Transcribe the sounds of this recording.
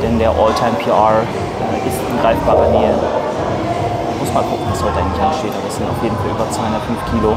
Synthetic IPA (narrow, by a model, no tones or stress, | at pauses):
d̥ɛndeːɐʔɔːltʰaɪmpʰiːaː | ʔɛʔɪstʔanɡʁaɪfb̥aːʁɐneːə | manmʊsmaːlkʰʊkŋ̩vasd̥ɔːdaɪŋnlɪçanɡəʃteːtʔaːbɐɛsz̥ɪntaʊfleːdn̩falʔyːbɐt͡sv̥aɪhʊndɐtfʏnfkʰiːlo